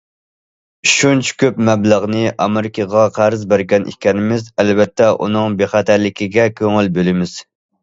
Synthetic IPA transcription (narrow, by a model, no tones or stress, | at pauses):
ʃunt͡ʃʰɪ̥kʲøpmɛbləʁnɨʔɑmɪɾɪkʲʰɑʁɑqʰæɾɨzbæɾɡʲɛnʔḭkʲʰɛnɪmɪzælvɛt̪ʰːɛʔṵnɨŋbeχæt̪ʰæɾlɪkʲʰiɡʲɛkʲʰøŋɪlbølɪmɪz̥